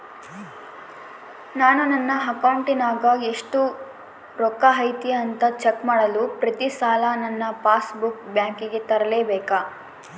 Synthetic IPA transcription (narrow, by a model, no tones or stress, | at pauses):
naːnunɐnːɐɦɐkɐwɳʈinaːɡɐeʂʈu | ɾɔkːɐɦɐjt̪iɐnt̪ɐt͡ʃekmaːɽɐlupɾɐt̪isaːlɐnɐnːɐpaːsbukbjaːŋkiɡe̞t̪ɐɾɐleːbɛːka